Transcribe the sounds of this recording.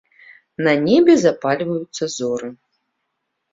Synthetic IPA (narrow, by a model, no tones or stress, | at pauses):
nanʲɛbʲɛzapalʲvɐjut̪sːɐzɔɾɨ